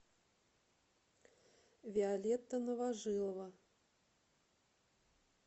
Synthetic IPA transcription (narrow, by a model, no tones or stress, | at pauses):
vʲɛalʲɛt̪ːɐnɐvaʐɨlˠɐvɐ